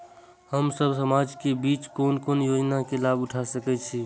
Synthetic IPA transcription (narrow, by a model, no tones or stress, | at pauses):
həmsəbsəmad͡ʒkebit͡ʃkonkonjod͡ʒnakelabʊʈʰasəkɛt͡ʃʰi